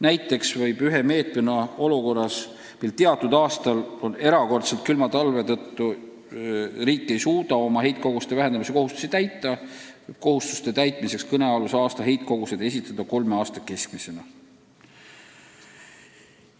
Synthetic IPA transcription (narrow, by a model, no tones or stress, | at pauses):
næjt̪ːˑe̞ksvɤjb̥yɦe̞me̞ːt̪menɑo̞luko̞rːɑs | milt̪e̞ɑt̪ːˑud̪̥ɑːst̪ɑlo̞ne̞ɾɑko̞rt̪se̞lt̪̚kylmɑt̪ɑlve̞t̪ɤt̪ːu | riːkːˑe̞jsuːd̪̥ɑo̞mɑɦe̞jt̪̚ko̞ɡ̥ust̪e̞væɦend̪ɑmise̞ko̞hust̪u̥sit̪æjt̪ːˑɑ | vb̥ko̞hust̪u̥st̪e̞t̪æjt̪ˑmise̞kskɤne̞ɑlusɑːst̪ɑɦe̞jt̪̚ko̞ɡ̥use̞d̪̥e̞s̬ʲit̪ːˑɑd̪̥ɑko̞lmeɑːst̪ɑke̞skmise̞nɑ